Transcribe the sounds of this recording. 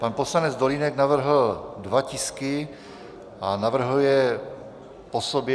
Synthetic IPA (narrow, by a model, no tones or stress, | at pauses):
panposlanɛd͡zd̪olinɛɡnavr̩ɦl̩dvacɪskɪ | ʔanavr̩ɦujɛ | posobjɛ